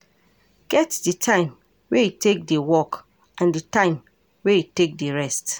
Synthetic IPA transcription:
ɡ̥ɛtditʰãɪ̃m | weitʰek̚diwɔk | ʔãnditãɪ̃m | weitek̚diɹɛst

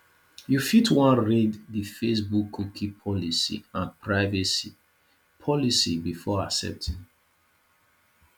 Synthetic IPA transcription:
jufitwãnɹɛdðifesbukʰːukʰipʰɔlisḭãnpʰɹaɪvɛsi | pʰɔlisibifɔa̰sɛ̰p̚tʰĩn

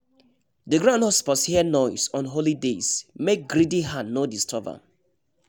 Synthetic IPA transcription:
dəɡɹãndhɔspɔshiənɔɪsɔ̃nɦolidesmek̚ɡɹidiɦãnːodistʰɔvə̰

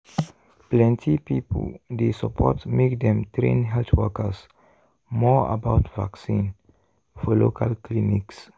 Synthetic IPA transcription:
plɛ̃nt̪ʰipiːpʰə̰l̩d̪esəpʰɔtmekd̪ɛ̃mt̪ɾḭ̃nɦɛltwɜkəs | mɔə̰baʊt̪va̰ksĩːn | fɔlokʰalkʰliniks

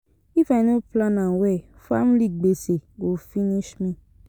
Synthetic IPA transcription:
ifanoplãnãwɛ | famliɡ͡beseɡofiniʃmĩ

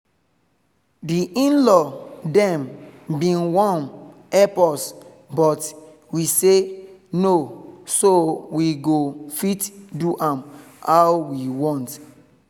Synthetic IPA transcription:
diʔĩnlɔdɛ̃mbĩnwɔ̃n | ɛpɔs | bɔt | wisenosowiɡofitduʔãm | awwiwɔ̃nt

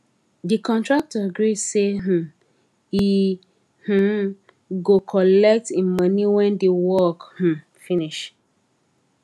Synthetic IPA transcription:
dikɔ̃ntɹak̚təɡɹidseɦ̩ | i | h̩ | ɡokʰɔlɛk̚tĩnmʌniwɛ̃ndewɔkh̩ | finiʃ

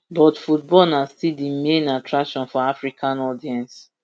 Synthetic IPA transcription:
bɔtfut̚bɔlnaztidimẽnatʰɹakʃɔ̃nfɔafɹikʰãnɔdiɛ̃ns

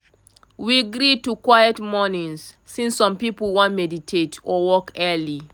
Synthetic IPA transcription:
wiɡɹitukwajətmɔnĩŋs | sĩnsːɔ̃mpipəl̩wɔ̃nmɛditʰetʰɔwɔkɛli

